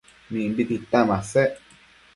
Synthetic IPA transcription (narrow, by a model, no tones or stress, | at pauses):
mĩmbit̪it̪ãmãseʔ